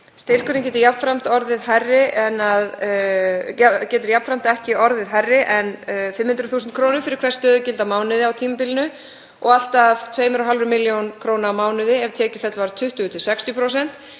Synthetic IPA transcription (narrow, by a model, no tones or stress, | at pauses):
st̪ɪr̥kʏɾnɪc̬ɛːt̪ʏɾjapn̥fɾam̥t̪ɔɾðɪðharːɪʔɛnað | cɛːt̪̬ʏɾjapn̥fɾam̥t̪ɛhcɪɔɾðɪðɦarːɪʔɛnfɪmhʏnt̪ɾʏθuːsnt̪kʰɾoːwnʏfɪɾɪɾ̥kʰvɛst̪œːðʏcɪlt̪amaːwnɪðɪawt̪ʰiːmapɪlɪnʏ | ʔɔ̰ɣal̥t̪aðt̪ʰveːjmɾɔɦalvɾʏmɪljownkʰɾownamaːwnʏðɪɛvt̪ʰɛːcɪ̥fɛt̪lvaɾt̪ʰʏht̪ʏʏt̪ʰɪlsɛkst̪jʏpʰɾows̬ɛn̥t̪